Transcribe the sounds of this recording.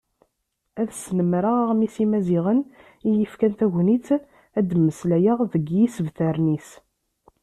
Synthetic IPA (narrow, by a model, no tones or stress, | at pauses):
æðsnəmɾəʁʁmisimæziʁən | ijəfkænt̪æʝʷnit͡s | æd̪məslæjəʁðəɡjisəvθæɾnis